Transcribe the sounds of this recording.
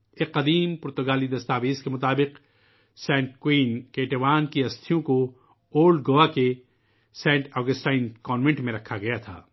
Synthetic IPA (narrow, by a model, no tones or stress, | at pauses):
eqɐd̪iːmpʊɾt̪ʊɡaːlid̪ɐst̪aːʋeːzkemʊt̪aːbɪq | sɛ̃ːɳʈkwiːnkeːʈeʋaːnkiɐst̪ʰijõko | oːlɖɡoːʋake | sɛ̃ːɳʈʰɔːɡəsʈaːnkɔːnʋẽɳʈmẽɾɐkʰaɡɐjat̪ʰa̰ː